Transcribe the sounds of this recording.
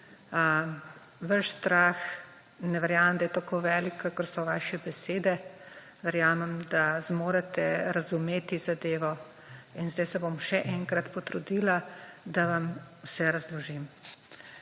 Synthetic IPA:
ʋaʃst̪ɾaːx | nɛʋɛɾjaːmɐmd̪ajɛt̪akoːʋɛːlikakəɾsɔʋaːʃɛbɛseːd̪ɛ | ʋɛɾjaːmɛmd̪azmoːɾat̪ɛɾazumeːt̪izad̪eːʋɔ | inzd̪ajsɛbomʃɛʔɛŋkɾat̪pɔt̪ɾud̪iːlad̪aʋamwsɛɾazlɔʒim

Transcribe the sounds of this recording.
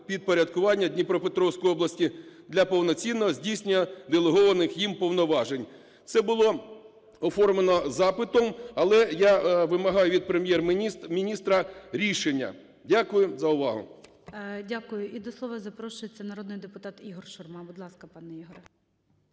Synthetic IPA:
pʲid̪̚pɔɾʲɐd̪kʊʋɑnʲːɐd̪ʲnʲipɾɔpet̪ɾɔwsʲkɔjɔblˠɐsʲtʲid̪lʲɐpɔwnɔt͡sʲinːɔɦɔzʲdʲijsʲnʲɪjɐd̪elˠeɦɔʋɐnɪxjimpɔwnɔʋɑʒenʲ | t̪sɛbʊlˠɔ | ɔfɔrmenɔzɑpɪt̪ɔmɐlˠɛjaʋɪmɐɦɑjʊʋʲid̪̚pɾemʲjɛrmʲinʲist̪ɾɐɾʲiʃenʲːɐ̰ | dʲakʊjʊzɐʊʋɑɦʊ̰ | dʲakʊjʊʔid̪ɔslˠɔʋɐzɐpɾɔʃʊjet͡sʲːɐnɐɾɔd̪nɪjd̪epʊt̪ɑt̪iɦɔrʃʊrmɑbʊd̪lˠɑskɐpɑnɛiɦɔɾɛ

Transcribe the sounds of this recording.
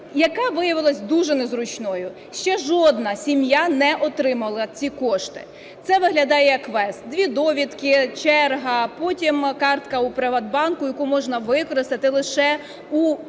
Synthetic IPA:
jɐkɑʋɪjɐʋɪlˠɐsʲd̪uʒɛnɛzɾʊt͡ʃnɔjʊ | ʃt͡ʃɛʒɔd̪nɐsʲimjanɛʔɔt̪ɾɪmɐlˠɐt͡sʲikɔʃt̪ɪ̥̰ | t̪sɛʋɪɦlʲɐd̪ɑjɛɐkʋɛst̪̚d̪ʲʋʲid̪ɔʋʲid̪kɪt͡ʃɛrɦɐpɔtʲimkɑrt̪kɐupɾɪʋɐd̪̚bɑnkʊjɐkumɔʒnɐʋɪkɔɾɪst̪ɐt̪ɪlˠɪʃɛ | u

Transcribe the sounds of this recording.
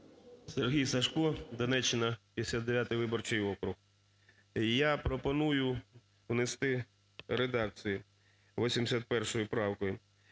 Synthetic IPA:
serɦʲijsɐʃkɔd̪ɐnɛt͡ʃːɪnɐpʲisʲad̪eʋʲjat̪ɪjʋɪbɔrt͡ʃɪjɔkɾʊx | japɾɔpɔnujʊ | wnest̪ɪ | ɾed̪ɑk̚t͡sʲiji | ʋɔsʲimd̪esʲat̪̚pɛrʃɔjʊpɾɑwkɔjʊ

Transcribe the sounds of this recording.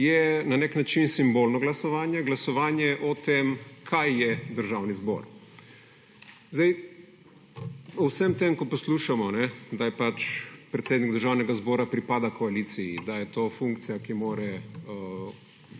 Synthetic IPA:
jɛnanɛknat͡ʃinsimbolnɔɡlasɔʋaːnjɛɡlasɔʋaːnjɛʔɔt̪emkʰajːɛd̪əɾʒawnizbɔ̰ːɾ | zd̪ej | ɔwsɛmt̪emkɔpɔsluːʃamɔnɛd̪ajɛpat͡ʃpɾɛt̪seːd̪niɡd̪əɾʒaːwnɛɡazbɔːɾapɾipaːd̪akʰɔalit̪sijḭd̪ajɛt̪oːfũŋkt̪sijakimoːɾɛ

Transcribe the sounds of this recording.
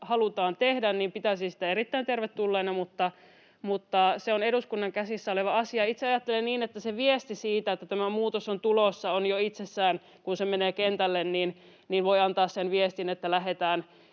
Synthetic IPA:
hɑlut̪ɑːnt̪ehdænniːmpit̪æsinsi̥t̪æerit̪ːæint̪erʋet̪ːulːeːnɑmut̪ːɑ | mut̪ːɑseoneduskunːɑŋkæsisːæoleʋɑɑsiɑit̪seɑjɑt̪ːelenniːnet̪ːæseʋiest̪isiːt̪æet̪ːæt̪æmæmuːt̪osont̪ulosːɑonjoit̪sesːæːn | kunsemeneːkent̪ælːenniːn | niːnʋoiɑnt̪ɑːssenʋiest̪inet̪ːælæɦet̪æːn

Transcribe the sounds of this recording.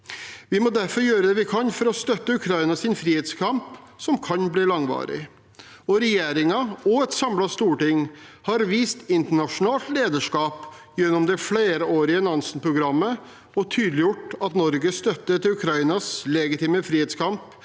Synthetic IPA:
ʋɪmɔd̪æɾfɔɾjøːɾəd̪ɛːʋɪkʰɑnfɔɾɔst̪œt̪ːəʉkʰɾɑɪnɑsɪnfɾiːheːt̪skʰɑmpsɔmkʰɑnbliːlɑŋʋɑ̰ːɾɪ̰ | ɔɾɛjeːɾɪŋɑɔɛt̪sɑmlɑst̪uːʈɪŋhɑɾʋiːst̪ɪnt̪əɳɑʂʊnɑːlt̪leːd̪əʂkɑːp | jɛnːɔmd̪ɛfleːɾəoːɾɪənɑnsənpʰɾʊɡɾɑmːə | ɔt̪ʰyːd̪lɪjʊʈːɑt̪nɔɾɡəst̪œt̪ːət̪ɪʉkʰɾɑɪnɑslɛɡɪt̪iːməfɾiːɛːt̪skʰɑmp

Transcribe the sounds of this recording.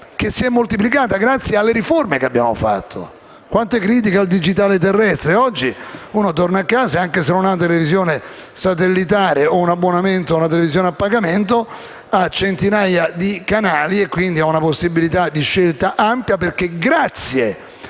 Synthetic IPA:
kesːiɛmːolt̪ip̬likaːt̪aɡɾat̪sːjealːeɾiformekeabːja̰ːmo̰fa̰t̪ːo̰ | kwʔant̪oɛkɾiːt̪̬ikald̪id͡ʒit̪̬aːlet̪̬erːɛst̪ɾeɔd͡ʒːiuːnot̪ornaakːaːsaaŋkesenonat̪̬elevizjoːnesat̪elːit̪aːɾeounabːonament̪ounat̪̬elevizjoːneapːaɡament̪o | at͡ʃːent̪inajad̪ikanaːliekːwind̪iaunaposːibilit̪ad̪ːiʃːelt̪aʔampjaperkːeɡɾat̪sːje

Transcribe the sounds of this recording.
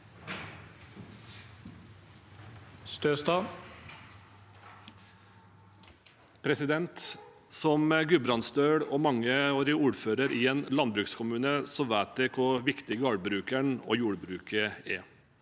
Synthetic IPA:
st̪øːst̪ɑː | pʰɾɛsɪd̪ɛnt̪ | sɔmɡʉbɾɑnst̪øːɽoːmɑŋəoːɾɪuːɾføːɾəɾʔiːeːnlɑnbɾʉːkskʰʊmʉːnəsɔʋæːt̪̚d̪ɛkʰʊʋɪkt̪ɪɡəɑɽbɾʉːkæɳo̰ːjuːɽbɾʉːkəɛ

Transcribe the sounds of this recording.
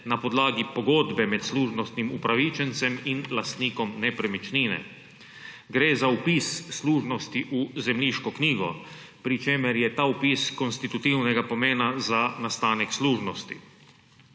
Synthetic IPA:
napɔd̪laːɡipɔɡoːd̪bɛmɛt̪sluːʒnɔst̪nimupɾaʋit͡ʃɛnt̪sɛminlast̪niːkɔmnɛpɾɛmit͡ʃniːnɛ̰ | ɡɾeːzaupiːsːluːʒnɔst̪iʔuzɛmliʃkɔkniːɡɔ̰ | pɾit͡ʃeːmɛɾjɛt̪aːupiːskɔnst̪it̪ut̪iwnɛɡapɔmeːnazanast̪aːnɛksluːʒnɔst̪ḭ

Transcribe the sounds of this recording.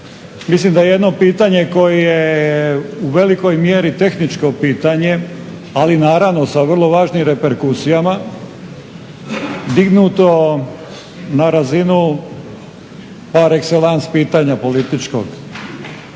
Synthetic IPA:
mislimd̪ajeje̞d̪no̞piːt̪aɲe̞ko̞jeje | uʋe̞liko̞jmje̞ɾit̪e̞xnit͡ʃko̞piːt̪aɲe̞ | alinaːɾaʋno̞saʋr̩lˠo̞ʋaːʒnimɾe̞pe̞ɾkusijama | d̪iɡnuːt̪o̞ | naɾazinu | paɾekselanspiːt̪aɲapo̞lit̪it͡ʃko̰ɡ

